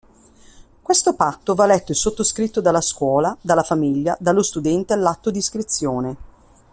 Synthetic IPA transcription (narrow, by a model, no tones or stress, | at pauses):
kwest̪opat̪ːovalːɛt̪ːoesːot̪ːoskɾit̪ːod̪alːaskwɔːlad̪alːafamiʎːa̰d̪alːost̪ud̪ɛnt̪ealːat̪ːod̪iskɾit̪sːjoːne